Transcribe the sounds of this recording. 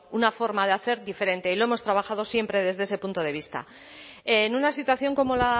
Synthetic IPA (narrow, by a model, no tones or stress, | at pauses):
unafo̞ɾmað̞eaθe̞ɾðife̞ɾe̞nt̪eilo̞e̞mo̞st̪ɾaβaxaðo̞sje̞mpɾe̞ð̞e̞zðeese̞punt̪o̞ð̞e̞β̞ist̪a̰ | enunasit̪waθjo̞ŋko̞mo̞la